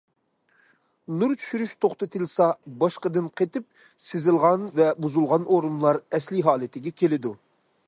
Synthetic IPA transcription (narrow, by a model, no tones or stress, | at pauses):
nuɾt͡ʃʰy̥ʃyɾyʃt̪ʰoχt̪ɨt̪ʰɨlˠsɑbɑʃqəd̪ɨnqʰet̪ɪp̚ | sɪzɪlˠʁɑnvɛbuzulˠʁɑnʔoɾunlˠɑɾɛslɪɦɑːlˠɪt̪ʰɪɡʲɛkʲʰelɪd̪u